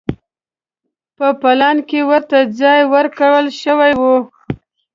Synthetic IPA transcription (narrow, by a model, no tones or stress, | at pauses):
pəpalɑnkewəɾt̪ad͡zɑjwəɾkawəlʃəwajwu